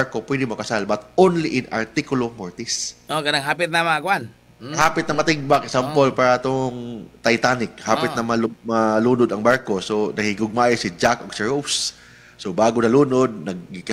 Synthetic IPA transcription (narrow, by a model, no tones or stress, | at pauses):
aɹko̞pwɛd̪ɪmɐkɐsalbɐt̪onliʔɪna̰ɹt̪ikʊlomoɹt̪isʔokɐnaŋɦaːpɪt̪̚nɐmɐɡʊʔan | haːpɪt̪̚nɐŋmɐt̪ɪɡ̚baksampolpaːɾɐʔɐt̪oŋt̪ɐjt̪aːnɪk̚haːpɪt̪nɐmɐlmɐluːnod̪ɐŋbaɹko̞sonɐɡɪɡʊɡ̚maːʔɪsɪd͡ʒakʔoɡ̥̚sɪɹofs | sobaːɡonɐluːnod̪̚nɐɡ̚ːik